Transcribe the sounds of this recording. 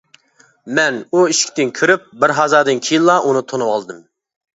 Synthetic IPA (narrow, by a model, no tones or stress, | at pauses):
mɛnuiʃʲt̪ɪnkʲʰyɾyp̚bɪɾɦɑzɑːd̪ɨnkʲʰijinlˠɑʔunɨt̪ʰonuwɑlˠɨd̪ɨm